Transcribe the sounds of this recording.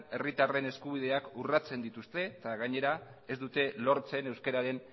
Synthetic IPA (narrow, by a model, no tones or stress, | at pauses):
e̞rit̪are̞ne̞skuβ̞ið̞e̞akurat͡se̞nd̪it̪ust̪e̞t̪aɣaɲe̞ɾae̞zd̪ut̪e̞lo̞ɾt͡se̞ne̞wske̞ɾaɾe̞n